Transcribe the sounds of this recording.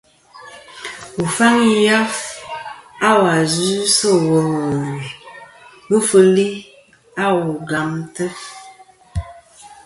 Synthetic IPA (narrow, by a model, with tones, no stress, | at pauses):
u˨fa˦ŋi˦ja˦f | a˦wa˨zi˨˦sə˦wə˨ | bə˦fə˦li˦ | a˦wu˨ɡa˨mtə˦f